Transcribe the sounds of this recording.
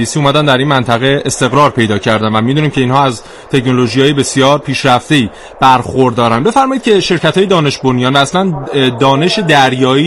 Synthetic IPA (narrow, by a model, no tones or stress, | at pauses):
iːsiːumæd̪ænd̪æɾinmænt̪ʰæɣe̞est̪e̞ɣɾɒːɾpʰe̞jd̪ɒːcʰæɾd̪ænvæmid̪uniːmcʰe̞iːnhɒːæz | t̪ʰe̞cno̞lo̞ʒijɒːjebesijɒːɾpʰiːʃɾæft̪e̞iː | b̥æɾxo̞ɾd̪ɒːɾænbe̞fæɾmɒːjid̪cʰeʃe̞ɾcæt̪ʰɒːjed̪ɒːne̞ʃbonijɒːnvæːslænd̪ɒːne̞ʃed̪æɾjɒːiː